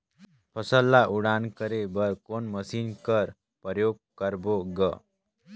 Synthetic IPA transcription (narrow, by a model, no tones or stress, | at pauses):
pʰəsəlːaʔuɽaːnkəɾebəɾkonməsiːnkəɾ | pəɾjoːɡ̚kəɾboɡə